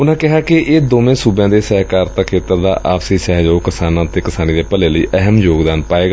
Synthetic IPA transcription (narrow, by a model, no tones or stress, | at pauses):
ʊnãːkɪɦaːkɪeːd̪oːmẽːsuːbãːd̪eːsəɦkaːɾt̪akʰeːt̪əɾd̪a̰ːʔaːpsiːsɛɦd͡ʒoːkɪsaːnãːt̪eːkɪsaːniːd̪eːpəleːləiːʔəɦəmjoːɡd̪aːnpaːeːɡaː